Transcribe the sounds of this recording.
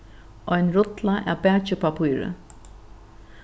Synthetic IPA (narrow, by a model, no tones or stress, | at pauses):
ʔɔjnɾʊt̪laʔa̰pɛːt͡ʃɪpʰapʰujɾə̰